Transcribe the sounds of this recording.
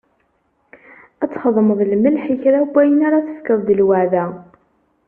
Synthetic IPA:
æt͡sːχəðˤməðˤlməlħiçɾæɡæjənaɾaθə̥fkəðˤd̪əlwæʕðæ

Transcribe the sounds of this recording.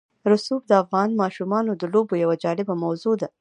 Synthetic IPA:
ɾʊsub̚d̪əafɣɑnmɑʃumɑnod̪əlobojawad͡ʒɑɽɪbamawzod̪a

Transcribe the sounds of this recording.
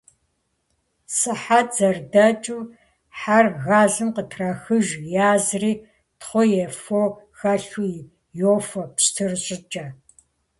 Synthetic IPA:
sɨħad͡zɐrdɐt͡ʃʼuː | ħarɣaːɮɨmqətʰrɐxɨʒjaːzriː | tχʷɔjɛfoːxɐɬu | joːfɐpstʰɨrɕʼɪt͡ʃʼɐ

